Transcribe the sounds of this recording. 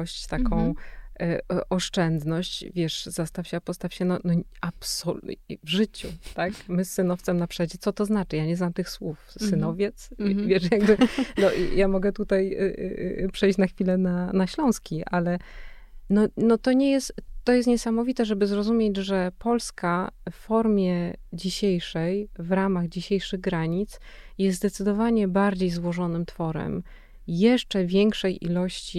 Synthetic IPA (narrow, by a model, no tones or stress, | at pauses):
ɔɕt͡ɕt̪akɔ̃w̃ | ʔɔʂt͡ʂɛnd̪nɔɕt͡ɕvʲjɛʂzast̪awɕɛpɔst̪afɕɛnɔnɔapsɔvʐɘt͡ɕut̪akmɘsːɘnɔft̪sɛmnapʂɛjd͡ʑɛt̪sɔt̪ɔznat͡ʂɘjaɲɛznamt̪ɘxswufsɘnɔvʲjɛt̪svʲjɛʂjaɡbɘnɔ̰jamɔɡɛt̪ut̪aj̰ | pʂɛjɕt͡ɕnaxfʲilɛnanaɕlɔ̃w̃skʲiʔalɛ | nɔnɔt̪ɔɲɛjɛst̪ːɔjɛst̪ɲɛsamɔvʲit̪ɛʐɛbɘzɾɔzumʲjed͡ʑʐɛpɔlskaffɔɾmʲjɛd͡ʑiɕejʂɛjvɾamaɣd͡ʑiɕejʂɘɣɡɾaɲit̪sjɛst̪d̪ɛt̪sɘd̪ɔvaɲɛbaɾd͡ʑejzwɔʐɔnɘmt̪fɔɾɛ̰m | jɛʂt͡ʂɛvʲjɛŋkʂɛjʔḭlɔɕt͡ɕi